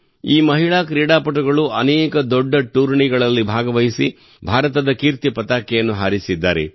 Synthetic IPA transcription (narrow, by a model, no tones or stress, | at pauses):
iːmɐɦiɭaːkɾiːɽaːpɐʈuɡɐɭuɐnɛːkɐd̪ɔɖːɐʈuːɾɳiɡɐɭɐlːibʱaːɡɐʋɐɦisi | bʱaːɾɐt̪ɐd̪ɐkiːɾt̪ipɐt̪aːkːɛjɐnːuɦaːɾisid̪ːaːɾe